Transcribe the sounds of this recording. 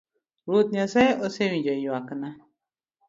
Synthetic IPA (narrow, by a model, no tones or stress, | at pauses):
ɾut̪nasɛosewĩd͡ʒoijwakəna